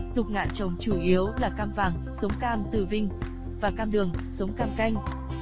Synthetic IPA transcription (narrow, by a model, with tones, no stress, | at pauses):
t̪ʊ˨˩k͡p̚ŋa̰ː˧˨nt͡ɕə˨˩wŋ͡mt͡ɕu˧˩ʔi˨˦əwlaː˨˩kaː˧mvaː˨˩ŋsə˨˦wŋ͡mkaː˧mt̪ɨ˧˩vï˧ŋ̟ | vaː˨˩kaː˧mɗɨ˨˩əŋsə˨˦wŋ͡mkaː˧mka˧jŋ̟